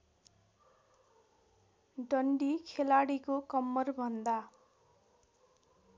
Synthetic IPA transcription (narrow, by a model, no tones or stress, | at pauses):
ɖʌɳɖikʰelaɽikokʌmːʌrbʱʌnd̪a